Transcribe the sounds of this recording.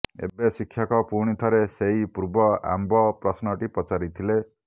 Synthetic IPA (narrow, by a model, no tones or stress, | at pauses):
ḛbesikʰːjakɔpuɽ̃it̪ʰɔɾeseipuɾbɔa̰mbɔpɾɔsnɔʈipɔt͡ʃaɾit̪ʰile